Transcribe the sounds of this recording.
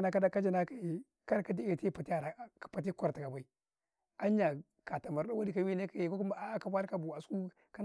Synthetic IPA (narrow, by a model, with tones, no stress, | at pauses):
na˦ka˦a˦ka˦d͡ʒa˨na˦ka˨e˨ | ka˦ɾka˦di˦e˨ti˦pa˨ti˦a˨ɾḁ˨pa˨t̬i˦kʷa˨ɾta˨ka˨ba˨i˦ | a˦ɲa˨ | ka˨ta˨ma˨ɾɗa˦wa˦di˦ka˨wi˦ne˦ka˦je˨kku˦m˦a˦ka˨ba˦ɾka˦bu˨a˨sku˦ | ka˦